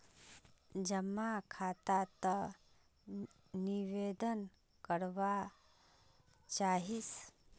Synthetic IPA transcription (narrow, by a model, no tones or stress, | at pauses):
d͡ʒəmːakʰat̪at̪ə | niʋed̪ən | kəɾʋa | t͡ʃaːɦis